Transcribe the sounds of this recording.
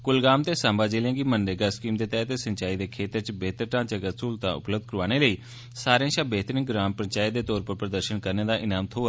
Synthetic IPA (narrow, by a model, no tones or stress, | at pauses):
kʊlɡaːmt̪eːsãːmbaːd͡ʒeːlãːɡiːmənɖeɡaːskiːmd̪eːt̪ɛːt̪eːsəɲt͡ʃaːiːd̪eːkʰeːt̪əɾt͡ʃbeːt̪əɾʈãːt͡ʃəkəsuːlt̪ã̰ːʊ̰pləb̚d̪̚kəɾʋaːñeːləiː | saːɾjãːʃaːbeːt̪ɾɪ̃ŋɡɾaːmpəɲt͡ʃaːid̪eːt̪ɔːɾpəɾpɾəd̪əɾʃənkəɾneːd̪aːʔɪnaːmt̪ʰoː